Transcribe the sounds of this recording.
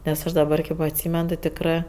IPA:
nʲɛs ˈɐʃ dɐˈbɐr kʲeːp ɐtʲˈsʲiːmʲɛn tʲɪ tʲɪkˈrɜ

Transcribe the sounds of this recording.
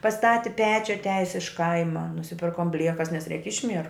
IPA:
pɐˈstɑːtʲɪ ˈpʲæːt͡ʃʲʊ ɐtʲˈæːjɪs ɪʃ ˈkɐɪmɐ nʊsʲɪˈpʲɪrkoːm ˈbʲlʲiɛkɐs nʲɛs rʲɛɪk ˈɪʃʲmʲiɛrʊ

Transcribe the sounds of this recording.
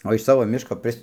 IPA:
oː ɪʃ ˈsɑːʋoː ˈmʲɪʃkoː ˈpʲrʲɪs

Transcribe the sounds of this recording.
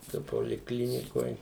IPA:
toː poːlʲɪkˈlʲɪnʲɪkoːj

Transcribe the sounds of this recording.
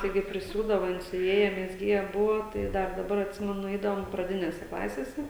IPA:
tɐɪˈɡʲɪ pʲrʲɪˈsʲuːdɐʋɐ ˈjɪn sʲʊˈʋʲiɛjɛ mʲɛzʲˈɡʲiɛjɛ ˈbʊʋoː ˈtɐɪ ˈdɐr dɐˈbɐr ɐtʲˈsʲɪmʲɛnʊ ˈɛɪdɐʋoːm prɐˈdʲɪnʲeːsʲɛ ˈklˠɑːsʲeːsʲɛ

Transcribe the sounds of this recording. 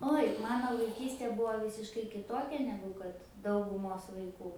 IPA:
ˈoːj ˈmɑːnoː ʋɐɪˈkʲiːsʲtʲeː ˈbuːʋoː ˈʋʲiːsʲɪʃkɐɪ kʲɪˈtoːkʲɛ ˈnʲæːɡʊ kɐt dɐʊɡʊˈmoːs ʋɐɪˈkuː

